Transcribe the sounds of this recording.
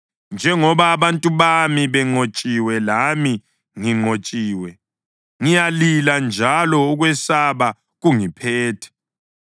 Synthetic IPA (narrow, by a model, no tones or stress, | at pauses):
nd͡ʒʱɛŋɔβaːβantʼuβamiβɛŋ͡ǃot͡ʃʼiwɛlami | ŋiŋ͡ǃot͡ʃʼiːwɛ | ŋijaliland͡ʒʱalɔuɣwɛsaβa | ɣuŋipʰɛːtʰɛ̥